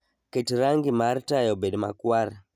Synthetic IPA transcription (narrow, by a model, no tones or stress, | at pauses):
ketɾaŋɡimartajɔbɛdma̰kwaɾ